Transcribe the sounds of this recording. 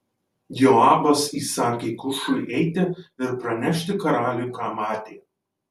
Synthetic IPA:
jʲoɑːbɐsiːsɑːkʲeikʊʃʊɪʔɛɪt̪ʲɪɪɾpɾɐnʲɛʃʲt̪ʲɪkɐɾɑːlʲʊjukɑːmɑːt̪ʲeː

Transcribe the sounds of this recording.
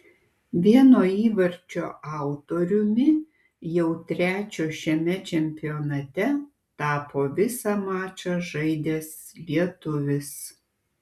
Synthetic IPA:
ʋʲiɛnoːiːʋɐɾʲt͡ʃʲo̰ːʔɑˑʊt̪oːɾʲʊmʲɪ | jɛʊt̪ʲɾʲæːt͡ʃʲoːʃʲɛmʲɛt͡ʃʲɛmʲpʲɪjoːnɐt̪ʲɛ | t̪ɑːpʰoːʋʲɪsɑmɑːt͡ʃʲɐʒɐɪd̪ʲeːslʲiɛt̪ʊʋʲɪs

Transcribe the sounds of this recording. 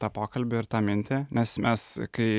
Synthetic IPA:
t̪ɑːpɑːkɐlʲbʲɪɪɾt̪ɑːmʲɪnʲt̪ʲeːnʲɛsmʲʔʲɛskɐɪ

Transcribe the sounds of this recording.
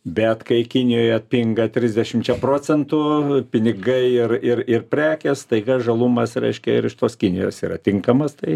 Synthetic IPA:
bʲɛt̪kɐɪkʲɪnʲɪjoːjɛɐt̪̚ʲpʲɪŋɡɐt̪ʲɾʲɪzʲd̪ʲɛʃʲɪmt͡ʃʲɛpɾoːt͡s̪ʲɛnt̪ʊpʲɪnʲɪɡɐɪɪrɪrɪrpʲɾʲæːkʲɛst̪ɐɪɡɐʒɐlˠumɐsrʲɛ̰ɪʃʲkʲɛɪɾɪʃt̪oːskʲɪnʲɪjo̰ːsiːrɐ̰t̪ʲɪŋkɐmɐst̪ɐɪ

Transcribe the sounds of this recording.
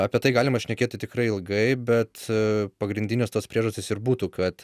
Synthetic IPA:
ɑːpʲiɛt̪ɐɪɡɑːlʲɪmɐʃʲnʲɛkʲeːt̪ʲɪt̪ʲɪkɾɐɪɪlˠɡɐɪbʲɛt̪pɐɡɾʲɪnʲd̪ʲɪnʲoːst̪oːspʲɾʲiɛʒɐsʲt̪ʲɪːsɪɾbuːt̪ukɐt̪

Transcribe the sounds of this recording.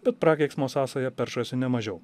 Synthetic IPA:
bʲɛt̪̚pɾɑːkʲɛɪksmoːsɑːsɐjɛpʲɛɾʃɐsʲɪnʲɛmɐʒʲɛʊ

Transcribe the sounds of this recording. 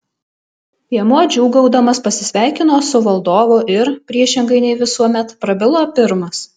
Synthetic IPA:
iɛmuɔd͡ʒʲuːɡɐʊd̪ɐmɐspɐsʲɪsʲʋʲæˑɪkʲɪnoːsʊʋɐlˠd̪oːʋoːʔɪɾpʲɾʲiɛʃʲɪŋɡɐɪnʲɛɪʋʲɪsuɔmʲɛt̪pɾɐbʲɪlˠoːpʲɪɾmɐs

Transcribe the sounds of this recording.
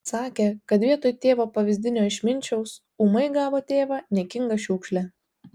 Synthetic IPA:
sɑːkʲeːkɐt̪ʋʲiɛt̪oːjt̪ʲeːʋoːpɐʋʲɪzʲd̪ʲɪnʲoːɪʃʲmʲɪnʲt͡ʃʲɛʊs | umɐɪɡɑːʋoːt̪ʲeːʋɑːnʲɛkʲɪŋɡɐʃʲuːkʃʲlʲæ

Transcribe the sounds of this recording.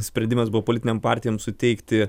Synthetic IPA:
sʲpʲɾʲɛnd̪ʲɪmɐsbʊʋoːpolʲɪt̪ʲɪnʲɛmpɑːɾʲt̪ʲɪjɛmsʊt̪ʲɛɪkt̪ʲɪ

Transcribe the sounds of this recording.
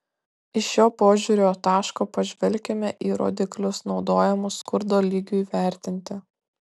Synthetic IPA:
ɪʃjoːpoːʒʲuːɾʲoːt̪ɑːʃkoːpɐʒʲʋʲɛlʲkʲɛmʲɛʔiːɾo̰ːd̪ʲɪklʲʊsnɒʊd̪oːjɛmʊskʊɾd̪oːlʲiɡʲuiːʋʲæˑɾʲt̪ʲɪnʲt̪ʲɪ

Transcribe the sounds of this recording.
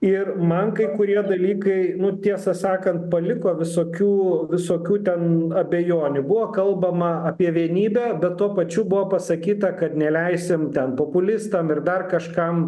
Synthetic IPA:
ɪrmɐnkɐɪkʊɾʲiɛd̪ɐlʲiːkɐɪnʊt̪ʲiɛsɐsɑːkɐnt̪̚pɐlʲɪkoːʋʲɪsoːkʲuːʋʲɪsoːkʲuːt̪ʲɛnɐbʲejoːnʲʊbʊʋoːkɐlˠbɐmɐɐpʲiɛʋʲiɛnʲiːbʲæːbʲɛt̪t̪ːuɔpɐt͡ʃʲubʊʋoːpɐsɐkʲiːt̪ɐkɐt̪nʲɛlʲɛɪsʲɪmt̪ʲɛnpoːpʊlʲɪst̪ɐmɪrd̪ɐrkɐʃkɐm

